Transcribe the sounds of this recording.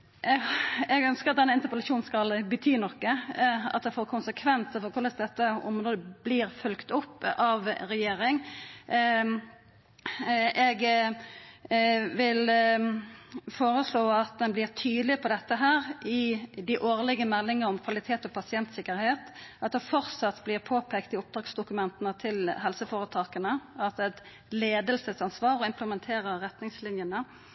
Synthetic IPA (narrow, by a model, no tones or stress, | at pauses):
ɛɡœnskəɾɑt̪̚d̪ɛnːəɪnt̪əpəlɑʃuːn̩skɑlbət̪ʰyːnɔkːəɑ̰t̪̚d̪ɛfoːɾkʰʊnsəkʰʋɛnt̪əfɔɾkʰʊləsd̪ɛt̪ːəɔmɾoːd̪əbliːɾfœlkt̪ʊpːɑʋɾɛjeːɾɪŋ | ʔɛɡ | ʋɪl | foːɾəsloːɑt̪̚d̪ɛnblɪːʁt̪ʰyːd̪lɪpʰɔd̪ɛt̪ːəɦæːʁɪd̪ɪʔoːʁlɪɡəmɛlːɪŋəɾɔmkʰʋɑlɪt̪ʰeːt̪ɔpʰɑsɪɛnt̪sɪkəɾheːt̪ɑt̪̚d̪ɛfɔʁsɑt̪ːblɪːʁpʰoːpʰɛkt̪ɪʊp̚d̪ʁɑːɡsd̪ʊkʉmɛnt̪ənət̪ʰɪlɦɛlsəfoːʁət̪ʰɑːkənəɑt̪ɛt̪ | leːd̪əlsəsɑnsʋɑːʁɪmpʰləmɛnt̪ʰeːʁəʁɛt̪nɪŋslɪnjənə